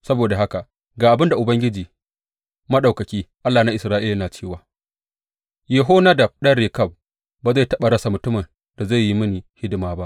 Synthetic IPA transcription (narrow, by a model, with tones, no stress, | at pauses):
sɐ˦boː˨da˨ɦa˦ka˨ | ɡaː˨ʔa˨bɪ˦nda˨ʔʊ˨bɐ˦ŋɡʲɪ˦d͡ʒiː˨ | mɐ˦ɗa˨kɐ˨kʲiː˦ʔa˦lːaː˨na˦ʔɪ˨sɾaː˦ʔɪ˦la˨naː˨t͡ʃeː˦waː˨ | je˨ɦoː˦na˦dɐ˨b̚ɗɐ˦ɽeː˨kɐ˦˨b̚ | baː˨za˦˨tɐ˦ɓa˨ɽɐ˦sa˨mʊ˨tʊ˦mɐ˨n | da˨za˦˨ji˦mɪ˦ni˨hɪ˦dɪ˨maː˨˦ba˦ʔ